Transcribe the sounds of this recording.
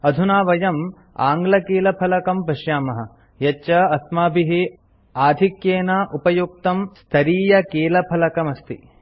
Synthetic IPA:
ɐd̪ʱunaːʋɐjɐm | a̰ːŋɡlɐkeːlɐpʰɐlɐkɐmpɐʃjaːmɐɦɐ | jɐt͡ʃːɐɐsmaːbʱiɦi | aːd̪ʱikjeːnaːʔupɐjuk̚t̪ɐmst̪ʰɐɾiːjɐkeːlɐpʰɐlɐkɐmɐst̪ḭ

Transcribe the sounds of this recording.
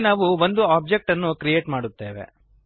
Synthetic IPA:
naːʋuʋond̪uaːp̚d͡ʒek̚ʈɐnːukɾije̞ːʈmaːɽut̪ːe̞ːʋe̞̰

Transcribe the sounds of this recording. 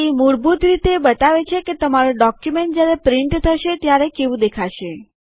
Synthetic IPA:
imuɽbut̪ɾit̪ebət̪aʋet͡ʃʰeket̪əmaɾũɖɔkjumeɳʈ̚d͡ʒjaɾepɾɪɳʈt̪ʰəʃet̪jaɾekeʋũd̪ekʰaʃe

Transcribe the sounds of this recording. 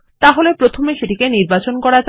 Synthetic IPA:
t̪aɦolepɾot̪ʰomeʃeʈikeniɾbat͡ɕonkɔɾad͡ʑ

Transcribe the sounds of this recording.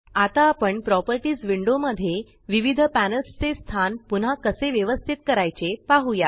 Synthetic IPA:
at̪aːpəɳpɾɔpəɾʈiːd͡zʋiɳɖoməd̪ʱːje | ʋiʋid̪ʱəpænəlst͡sest̪ʰanpun̤akəseʋjəʋəst̪ʰit̪kəɾajt͡sepaɦuja

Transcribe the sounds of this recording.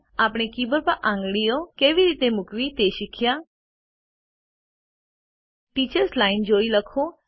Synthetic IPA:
aːpɽ̃ekiːbəɾpəɾʔãːŋɡɽijokeːʋiɾiːt̪emʊkʋit̪eːʃɪkʰɪjaː | ʈiːt͡ʃəɾslaːɪnd͡ʒoːiləkʰoː

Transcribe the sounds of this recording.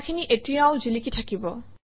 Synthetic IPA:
kʰiniʔetijaʊd͡ʑilikitʰakibɔ

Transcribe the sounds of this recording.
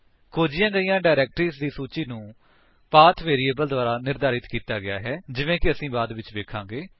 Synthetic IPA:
kʰoːd͡ʒɪjãːɡəijãːɖaːɪɾɛːk̚ʈɾiːsd̪iːsuːt͡ʃiːnũː | paːt̪ʰʋeːɾiːeːbəld̪ʊaːɾaːnɪɾd̪aːɾɪt̪kiːt̪aːɡɪa̰ːɦɛːd͡ʒɪʋẽːkɪəsĩːbaːd̪ʋɪt͡ʃʋeːkʰãːɡeː

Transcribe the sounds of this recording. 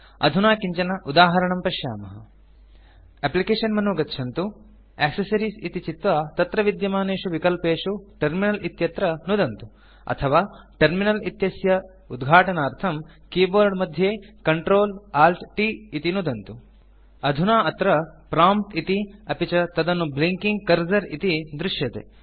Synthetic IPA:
ɐ̰d̪ʱunaːkiɲt͡ʃɐnɐʔud̪aːɦɐɾɐɳɐmpɐʃja̰ːmɐɦɐ̰ | eplikeːʂɐnmɐnuɡɐtːʃʰɐnt̪u | eːksɐsɐɾiːsit̪it͡ʃit̪ʋat̪ɐt̪ɾɐʋid̪jɐmaːneːʂuʋikɐlpeːʂuʈɐɾminɐlʔit̪jɐt̪ɾɐnud̪ɐnt̪u | ɐ̰t̪ʰɐʋaːʈɐɾminɐlit̪jɐsjɐ | ud̪ɡʱaːʈɐnɐɐɾt̪ʰɐm | kiːboːɾɖmɐd̪ʱjeːkɐɳʈɾoːlaːlʈʈiit̪inud̪ɐnt̪u | ɐd̪ʱunaːɐt̪ɾɐpɾaːmp̚t̪it̪iɐpit͡ʃɐt̪ɐd̪ɐnːubliŋkiŋɡ̚kɐɾd͡ʒɐɾit̪id̪ɾuʂjɐt̪ḛ

